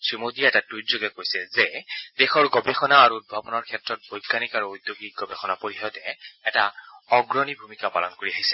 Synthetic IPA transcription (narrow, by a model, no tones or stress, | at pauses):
sɹimodiaɛtaduzoɡɛkojsɛzɛd̥exɔɹɡɔbɛxɔnaːɹut̚bʱapɔnɔɹkʰɛtɹɔt̚bɔjɡːanikaɹuojd̪joɡik̚ɡɔbexɔnapoɹixɔtɛɛtaɔɡɹɔnibʱumikapa̰lɔnkoɹiaɦisɛ̥